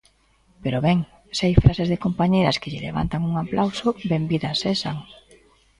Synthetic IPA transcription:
peɾoβɛŋ | sajfɾasezðekompaɲejɾɐskɪʎɪlḛβa̰nt̪aŋuŋaplʔawsobembiðasesaŋ

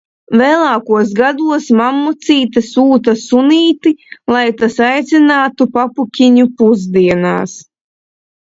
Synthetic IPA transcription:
vɛːlˠaːkuɔs̬ɡad̪uɔsmamːut̪siːt̪asuːt̪asuniːt̪ilˠajt̪asajt̪sinaːt̪upapukʲiɲupuzd̪iɛna̰ːs

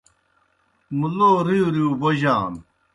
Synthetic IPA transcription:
muloːɾijuɾjuːboʑaːm

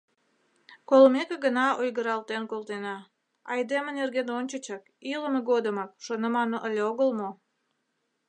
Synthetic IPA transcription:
kolmekeɡənɑojɣəɾɑlˠt̪enkolˠt̪enɑ | ɑjd̪emənerɡenonʲt͡ɕət͡ɕək̚ | iləməɡod̪əmɑk̚ʃonəmɑnoʔəlʲeoɣəlmo

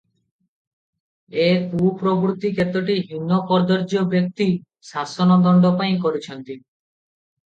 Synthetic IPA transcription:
ekupɾobɾut̪ikʰet̪ɔʈiɦinːɔpɔɾd̪ɔɾd͡ʒɔbjɔk̚t̪i | sasɔnɔd̪ɔɳɖɔpaĩkoɾit͡ʃʰɔnt̪i

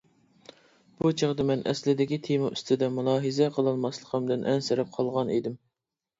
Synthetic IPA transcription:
b̥ut͡ʃʰeʁd̪ɨmɛnʔɛ̰slɪd̪ɪkʲit̪ʰemɨʔyst̪ʰɪd̪ɛmulˠɑːɦɨzɛqʰəlˠɑlˠmɑslˠəqʰəmd̪ɪnʔɛnsɪɾɛp̚qʰɑlˠʁɑnid̪ɪm

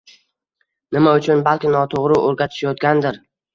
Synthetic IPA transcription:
nɪmaʊt͡ʃʰʊnbalkʲɪnɒt̪ʰoʁɾɪʔoɾɡʲat̪ʰɪ̥ʃjɒt̪̚ɡʲand̪ɪɾ

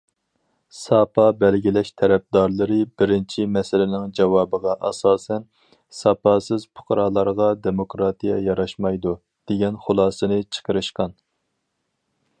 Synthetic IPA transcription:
sɑpʰɑbɛlɡʲilɛʃt̪ʰɛɾɛp̚d̪ɑɾlˠɨɾɨbɪɾɪnt͡ʃʰimɛsɪlɪnɪŋd͡ʒɑwɑːbəʁɑʔɑ̰sɑːsɛn | sɑpɑːsɨzpʰʊ̥qʰɾɑːlˠɑɾʁɑd̪emokɾɑt̪ijɛjɑɾɑʃmɑjd̪u | d̪̥eɡʲɛnχʊlˠɑːsɨnɨt͡ʃʰə̥qəɾɨʃqɑn

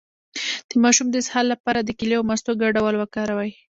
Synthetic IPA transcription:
d̪̥əmɑʃumd̪əshɑlːapɑɾad̪əkɪleawmast̪oɡaɖawalwəkɑɾawaj

